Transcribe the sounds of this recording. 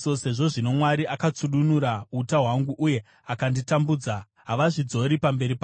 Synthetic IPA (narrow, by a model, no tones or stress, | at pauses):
sose̞ʐo̞ʐino̞mwaɾiʔakat͡suɗunuɾautaɦwaŋɡuʔuje̞ | akanditambuːd͡za | ɦaʋaʐid͡zo̞ɾipambe̞ɾipa